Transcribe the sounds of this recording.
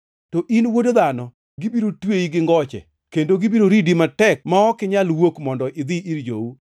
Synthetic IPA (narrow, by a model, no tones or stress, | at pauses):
tɔʔinwodod̪anɔ | ɡibiɾotweiɡɪŋɡɔt͡ʃɛ̰ | kendoɡɪbiɾoɾidimatɛk̚maɔkɪɲalwokmɔndɔʔɪd̪ɪiɾd͡ʒou